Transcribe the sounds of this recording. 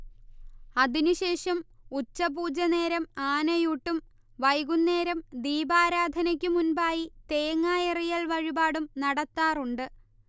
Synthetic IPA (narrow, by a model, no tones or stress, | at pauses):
ɐðinuɕe̞ːʂɐmut͡ɕːɐbuːd͡ʑɐne̞ːɾɐmaːnɐjuʈːum | ʋɐjɡunːe̞ːɾɐmd̪iːbaːɾaːd̪ʱɐnɐk̬ʲːɨmunbaːjit̪e̞jŋːaːjɐrijɐlʋɐɻibaːɽumnɐɽɐt̪ːaːruɳɖɨ